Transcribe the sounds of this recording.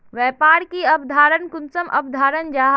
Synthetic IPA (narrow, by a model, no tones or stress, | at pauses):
ʋɛːpaːɾkiɐbd̪ʱaːɾənkʊnsəmʔɐ̰bd̪ʱaːɾənd͡ʒaːɦ